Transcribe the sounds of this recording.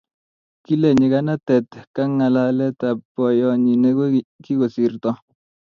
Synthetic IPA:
ki˦le˨ɲi˨ka˦na˦tɛ˨tka˦ŋa˨la˦lɛ˦ta˨pːɔ˨jɔ˨ɲi˨ne˦ɡo˦ki˦ko˨si˨rtɔ˦

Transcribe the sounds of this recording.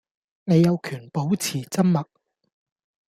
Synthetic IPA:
ne˨˧jɐ˨˧wkʰyː˨˩npo˨˥wt͡sʰiː˨˩t͡sɐ˥mmɐ˨k̚

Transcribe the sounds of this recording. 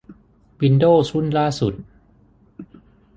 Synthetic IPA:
wi˧ndoː˥˩sʰu˥˩nlaː˥˩su˨˩t̪̚

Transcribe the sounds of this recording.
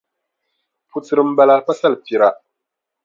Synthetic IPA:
pu˨tɨ˨ɾɨ˦m̩˦ba˦la˦pa˦sa˦lpi˨ɾa˨

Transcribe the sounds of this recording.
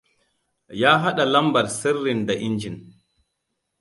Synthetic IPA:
jaː˦ɦa˦ɗa˨la˦mba˨ɾsɛ˦rːi˨nda˨ʔi˦nd͡ʒi˨n

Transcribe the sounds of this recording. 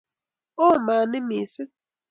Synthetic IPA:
o˦˨maː˨nɪ˦mi˨sɪ˦

